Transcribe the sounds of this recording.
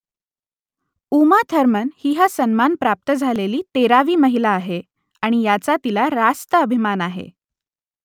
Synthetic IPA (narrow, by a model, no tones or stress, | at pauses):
umat̪ʰəɾmənhiːɦasənmanpɾap̚t̪əd͡zʱaleliːt̪eɾaʋiːməɦilaːɦe | aɽ̃ijat͡sat̪ilaɾast̪əəbʱimanaɦḛ